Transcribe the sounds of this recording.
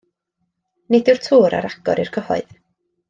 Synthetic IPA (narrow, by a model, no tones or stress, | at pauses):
nɪdɪwrtʰuːɾa̰ɾaɡ̥ɔ̰ɾirkʰəhɔ̰ɨð